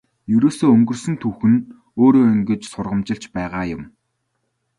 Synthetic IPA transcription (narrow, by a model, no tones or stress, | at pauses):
jɵɾoːsoːɵŋɡɵ̆rsɵ̆nt̪ʰuwxɘ̆n | oːɾoːɵŋɡĕt͡ɕsʊrʁə̆mt͡ɕɪ̆ɬt͡ɕpæːʁaːjʊm